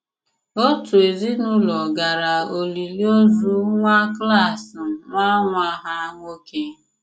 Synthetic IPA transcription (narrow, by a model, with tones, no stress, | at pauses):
o˦tu˨e˨zi˦nu˦lɔ˨ɡa˨ɾa˨o˨li˨li˦o˦zu˦ŋʷa˦kla˦˨s̩˨mʷa˦ŋʷa˦ɦa˦ŋʷo˦ke˦